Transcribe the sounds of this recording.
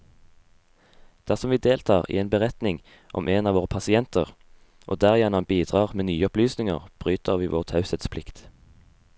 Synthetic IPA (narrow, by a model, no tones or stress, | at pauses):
d̪̥æʁsɔmʋiːd̪eːlt̪ʰɑːʁḭːeːnbəʁɛt̪nɪŋ | ʔɔ̰mʔeːnɑːʋoːʁəpʰɑsɪɛnt̪əʁ | ʔo̰ːd̪æːʁɪjɛnɑmbiːd̪̥ʁɑːʁmeːnyːəɔplyːsnɪŋə̰ʁb̥ʁyːt̪əʁʋiːʋʔoːʁt̪ʰɑʉsət̪spʰlɪkt̪